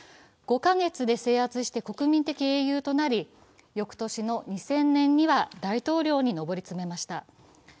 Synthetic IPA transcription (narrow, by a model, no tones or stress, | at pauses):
ɡ̥o̞kaŋe̞t͡sɨd̪e̞se̞ːat͡sɨɕi̥t̪e̞ko̞kɯ̟mʲĩnt̪e̞kʲie̞ːjɯːt̪o̞naɾʲi | jo̞kɯ̟̥t̪o̞ɕino̞ɲ̟isẽ̞nːẽ̞ɲ̟ːiβad̪ait̪o̞ːɾʲo̞ːɲ̟ino̞bo̞ɾʲit͡sɨme̞maɕi̥t̪a